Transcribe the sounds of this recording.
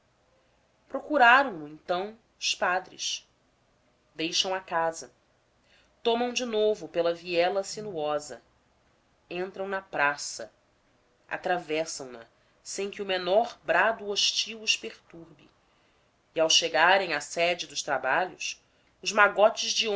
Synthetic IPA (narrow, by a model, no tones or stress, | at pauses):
pɾokuɾaɾɐ̃w̃lʊẽnt̪ɐ̃w̃ | ʊspad̪ɾɪ̰ʃ | d̪ejʃɐ̃w̃akazɐ | t̪õmɐ̃w̃d͡ʒɪnovʊpelɐviɛlɐsinuɔzɐ̰ | ẽnt̪ɾɐ̃w̃nɐpɾasɐ̰ | a̰t̪ɾavɛsɐ̃w̃nɐ̰ | sẽj̃kɪumenɔɾbɾad̪uoʃt͡ʃiwʊʃpeχt̪uɾbɪ̰ | iawʃeɡaɾẽj̃asɛd͡ʒɪd̪ʊʃt̪ɾabaʎʊs | ʊzmaɡɔt͡ʃɪzd͡ʒiõ